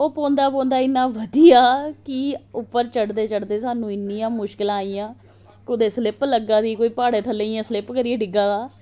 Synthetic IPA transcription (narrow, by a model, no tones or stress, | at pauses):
oːpõːnd̪aːpɔ̃ːnd̪aːɪnːãːʋəd̪ijaːkɪʊpːəɾt͡ʃəɽd̪eːt͡ʃəɽd̪eːsaːnũːɪnːiːjãːmʊʃkɪlaːiːjãː | kʊd̪eːslɪpləɡaːd̪iːkoːiːpaːɽeːt̪ʰəlːẽiːãːslɪpkəɾieːɖɪɡaːd̪aː